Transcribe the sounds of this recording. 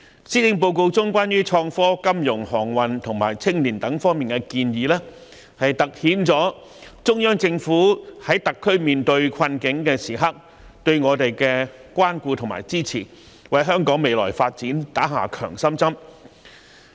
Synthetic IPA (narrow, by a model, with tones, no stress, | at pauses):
siː˥t̪ɪ˧˥ŋp̬o˧wko˧wt͡sʊ˥ŋkwaː˥njyː˥t͡ʃʰɔː˧ŋfɔː˥kɐ˥mjʊ˨˩ŋhɔː˨˩ŋwɐ˨nt̪ʰʊ˨˩ŋma̰ː˨˩jt͡sʰɪ˥ŋliː˨˩nt̪ɐ˨˥ŋfɔː˥ŋmiː˨nkɛ˧kiː˧njiː˨˧lɛː˥ | hɐ˨jt̪ɐ˨k̚hiː˨˥nt͡sɔː˨˥ | t͡sʊ˥ŋjœː˥ŋt͡sɪ˧ŋfuː˨˥hɐ˨˥jt̪ɐ˨kʰːɵ˥ɥmiː˨nt̪ɵ˧ɥkʷʰɐ˧nkɪ˨˥ŋkɛː˧siː˨˩ɦɐ˥k̚ | t̪ɵ˧ɥŋɔː˨˧t̪e˨jkɛː˧kʷwaː˥nkuː˧t̪ʰŋma̰ː˨˩jt͡siː˥t͡sʰiː˨˩ | wɐ˨jɦœː˥ŋkɔː˨˥ŋme˨jlɔ̰ː˨˩jfaː˧t̚t͡siː˨˥nt̪aː˨˥ɦa̰ː˨kʰœː˨˩ŋsɐ˥mt͡sɐ˥m